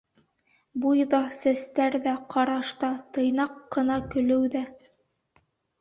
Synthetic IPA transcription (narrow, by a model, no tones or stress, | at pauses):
bujðɑsæst̪æɾðæqʰɑɾɑʃt̪ɑt̪ɤ̆jnɑqːɤ̆nɑkɵ̆lɘwðæ